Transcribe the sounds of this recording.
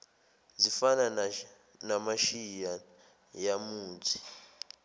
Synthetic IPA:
zifana | namaʃija | jamuːtʰi̥

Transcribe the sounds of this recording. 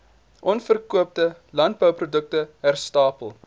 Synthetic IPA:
ʔɔnfərkuəp̚təlɐntbəwprudək̚təɦærstɑːpəlˠ

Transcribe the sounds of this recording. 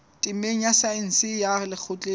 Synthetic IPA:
tʼɪmeŋ̩asaɪn̩sɪjalɪk͡xʰʊt͡ɬʼe

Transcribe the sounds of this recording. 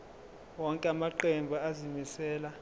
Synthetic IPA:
wɔŋkʼɛamaǃɛmbʱaazimisɛːla

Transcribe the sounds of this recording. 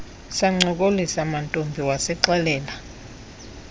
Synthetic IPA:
saŋ͡ǀɔk̬ʼolisamantʼombʱiwasɛǃɛlɛːla

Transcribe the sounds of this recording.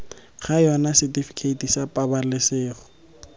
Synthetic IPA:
χajɔnasɪtifi̥kʰeitisapʼabalɪsɪːχʊ

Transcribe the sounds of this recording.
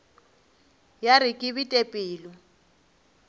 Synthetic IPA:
jarɪkʼɪβitʼepʼiːlɔ

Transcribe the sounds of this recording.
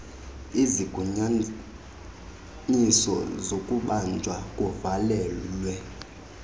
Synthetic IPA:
iziɡ̥ʱuɲa | nisɔ̰zokʼuɓand͡ʒʱwakʼɔvalɛːlwɛ

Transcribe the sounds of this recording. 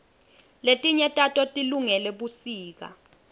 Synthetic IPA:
letʼiɲɛtʼatʼɔtʼiluŋɛlɛɓusiːk̬a̰

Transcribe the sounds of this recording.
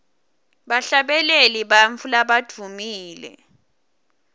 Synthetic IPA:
ɓaɬaɓɛleliɓaɱfulaɓad̥ʱumiːlɛ̰

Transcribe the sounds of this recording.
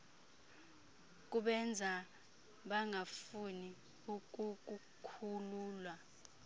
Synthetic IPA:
k̬ʼuɓɛnd͡zʱa | ɓaŋafuni | uk̬ʼuk̬ʼu | kʰuluːlwa

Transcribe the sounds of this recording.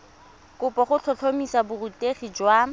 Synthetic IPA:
kʊpɔχʊt͡ɬʰɔɬʰomisabʊruteχid͡ʒwa

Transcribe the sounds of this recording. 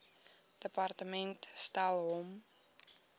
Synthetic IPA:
d̥əpɑrtəmɛntstalˠɦɔm

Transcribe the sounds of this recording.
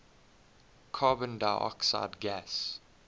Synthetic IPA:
kʰɑːbə̃ndaɪʔɔ̰ksa̰ɪdɡæs

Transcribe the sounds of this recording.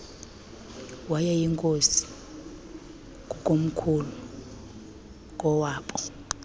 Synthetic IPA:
wajɛjiŋkʼosi̥ | kʼukʼom̩kʰulu | kʼɔwaːɓɔ

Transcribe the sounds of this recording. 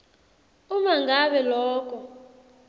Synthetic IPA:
umaŋɡʱaβɛlɔːk̬ʼɔ

